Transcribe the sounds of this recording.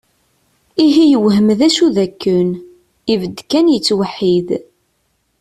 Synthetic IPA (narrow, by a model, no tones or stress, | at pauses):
iɦijəwɦəmðæʃuðækːən | ivəd̪ːkænjət͡sːwəħːið